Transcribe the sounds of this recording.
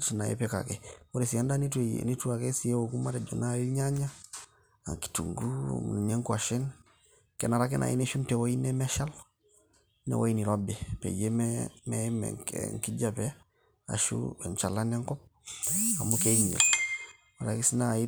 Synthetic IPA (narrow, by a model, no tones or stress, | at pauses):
tnajḛpɛka̰kɛoɾisiandanitnituakesijewokumaɾɛd͡ʒonaiɲaɲa | a̰ŋki̥tṵŋɡṵmṵnɲeŋkuaʃɛn | kɛnaɾak̬ɛnʔa̰ḭneʃuntɛwoinɛmɛʃal | nɛ̰woiniɾɔbɛpɛ̰jemɛmɛmɛ̰ŋkiɟapɛ | a̰ʃṵɛɲt͡ʃalanɛŋkɔp̚a̰mukeiɲḛl | aɾakisinai